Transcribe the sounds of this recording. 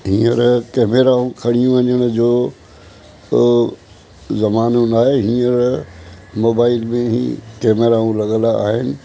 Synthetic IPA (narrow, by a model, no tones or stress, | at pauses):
ɦĩːəɾkɛːmeːɾaːũkʰɐɽ̤ijũʋɐɲəɽ̃ʊ̆d͡ʑoː | zɐmaːnũnaːɦeɦĩːəɾ | moːbaːɪlmẽɦḭ̃keːmeɾaːũlɐɠə̃laːɦɪnɪ̆